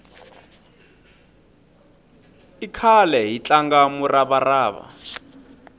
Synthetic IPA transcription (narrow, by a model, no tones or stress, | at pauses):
ikʰalɛɦit͡ɬaŋɡamurʔaβaraːβa̰